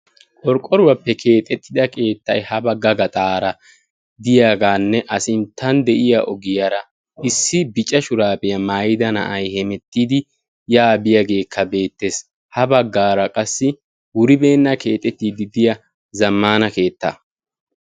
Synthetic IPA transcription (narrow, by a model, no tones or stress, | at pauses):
kʼɔɾkʼɔɾʊwɐpːɛkʰe̞ːt̪ʼɛt̪ːɪd̪ɐkʰʼe̞ːt̪ːɐjhɐbɐɡɐɡɐt̪ʼaːɾɐ | d̪ɪjaːɡaːnːɛʔɐsɪnt̪ʰːɐnd̪ɛʔɪjaʔɔɡɪjaɾɐ | ʔɪsːɪbɪt͡ʃʼɐʃʊɾaːpɛjɐmaːjɪd̪ɐnɐ̰ʔɐjhɛmɛt̪ːiːd̪ɪ | jaːbɪjaɡe̞ːkʰːɐbe̞ːt̪ːe̞ːs | hɐbɐɡːaːɾɐkʼɐsːɪ | wʊɾɪbe̞ːnːɐke̞ːt̪ʼːɛt̪ːiːd̪ɪd̪ɪjɐ | zɐmːaːnɐke̞ːt̪ːa̰ː